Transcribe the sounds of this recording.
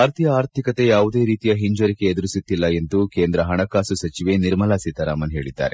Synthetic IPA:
aːɾt̪ʰijɐaːɾt̪ʰikɐt̪e̞jaːʋud̪e̞ːɾiːt̪ijɐɦiɲd͡ʒɐɾikeːd̪uɾisit̪ːilːɐent̪ukeːnd̪ɾɐɦɐɳɐkaːsusɐt͡ʃiʋe̞niɾmɐlaːsit̪ːɐɾa̰ːmɐnɦe̞ːɭid̪ːa̰ːɾe

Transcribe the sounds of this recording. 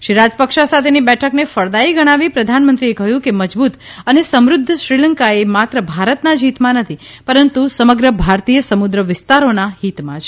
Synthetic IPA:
ʃiɾad͡ʒpəkʃasat̪ʰenibɛʈʰəknefəɭd̪aiɡəɽ̃aʋipɾəd̪ʱanmənt̪ɾiekəɦjũkeməd͡ʒbut̪ənesəmɾʊd̪ʱːʃɾiləŋkaemat̪ɾəbʱaɾət̪nad͡ʒɦit̪mãnət̪ʰi | pəɾənt̪usəməɡɾəbʱaɾt̪ijəsəmʊd̪ɾəʋɪst̪aɾonahit̪mã̰t͡ʃʰ

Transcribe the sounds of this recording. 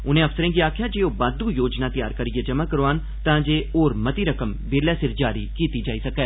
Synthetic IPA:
ʊnẽɐfsəɾẽːɡiaːkʰjad͡ʒeːobaːd̪ujoːd͡ʒnat̪ija̰ːɾkɐɾied͡ʒɐmakɐɾoaːn | t̪ãːd͡ʒeːoːɾmɐt̪iɾɐkəmbeːɾlasɪɾd͡ʒaːɾikiːt̪id͡ʒaːisɐkɛː

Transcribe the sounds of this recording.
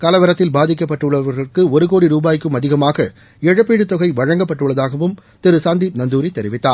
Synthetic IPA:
kɐlɐʋɐɾɐt̪ːɪlbaːðɪk̬ːɐp̬ːɐʈːɯɭːɐʋɐɾɣɐrkɯɔɾɯkoːɽiɾuːbaːjɪkːɯmɐðɪɣɐmaːɣɐ | ɛɻɐpːiːɽɯt̪ːɔɣɐɪʋɐɻɐŋɡɐpːɐʈːɯɭːɐðaːɣɐʋɯmt̪ɪɾɯsaːnd̪iːp̚nɐnd̪uːɾit̪ːɛɾɪʋɪt̪ːaːɾ

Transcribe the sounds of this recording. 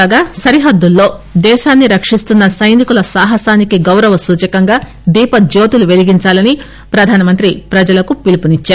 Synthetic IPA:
aːɡaːsɐɾiɦɐd̪ːulːo̞ːd̪ɛːʃaːnːiɾɐkʂist̪unːɐsɐjnikulɐsaːɦɐsaːnikiɡɐwɾɐʋɐsuːt͡ʃɐkɐŋɡaː | d̪iːpɐd͡ʒoːt̪uluʋe̞liɡiɲt͡ʃaːlɐni | pɾɐd̪ʱaːnɐmɐnt̪ɾipɾɐd͡ʒɐlɐkupilipunit͡ʃːaːɾ

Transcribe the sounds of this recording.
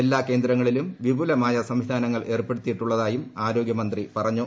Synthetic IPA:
elːaːke̞ːnd̪ɾɐŋːɐɭilumʋibʱulɐmaːjɐsɐmʋid̪ʱaːnɐŋːɐɭʔe̞ːrpːe̞ɽut̪ːijiʈːuɭːɐðaːjumaːɾo̞ːɡjɐmɐnd̪ripɐrɐɲːu

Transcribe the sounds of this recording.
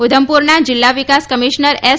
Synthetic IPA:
ud̪ʱəmpuɾnad͡ʒɪlːaʋikaskəmiʃnəɾe

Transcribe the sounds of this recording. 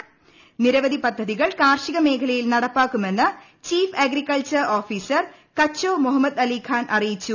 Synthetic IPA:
niɾɐʋɐðipɐd̪ʱːɐðiɣɐɭkaːrʂiɣɐme̞ːkʰɐlɐjilnɐɽɐpːaːkːume̞nːɨ | t͡ɕiːfeɡrikːɐɭt͡ɕɐroːfiːsɐr | kɐt͡ɕːoːmuɦɐmːɐd̪ɐliːkʰaːnʔɐrijit͡ɕːu

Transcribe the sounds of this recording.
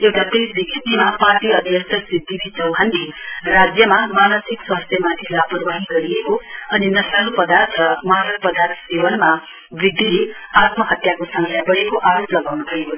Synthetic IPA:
ewʈap̪isbiɡit̪imaparʈiʌd̪ʱjʌsʰʌt̪sid̪ːibit͡sʌwɦandirad͡zjʌmamanʌsikswast̪ʰjʌmat̪ʰilapʌrbaɦiɡʌɾiekoʌninʌsalpʌd̪art̪ʰrʌmʌɦaɾʌk̚pʌd̪art̪ʰsewʌnma | bid̪ʱːile | at̪mʌɦʌt̪jakosʌŋɡʰjabʌɽekoʔaɾoplʌɡawnupʰʌeo

